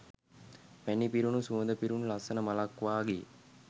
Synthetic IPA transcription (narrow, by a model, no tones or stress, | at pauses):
pænipiɾunusuənd̪əpiɾunulasənəmalakʋaːɡe